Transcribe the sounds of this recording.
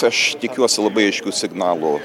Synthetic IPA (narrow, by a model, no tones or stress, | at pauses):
ɐʃt̪ʲɪkʲuɔsʲɪlˠɐbɐɪɐɪʃʲkʲuːsʲɪɡnɑːlˠʊ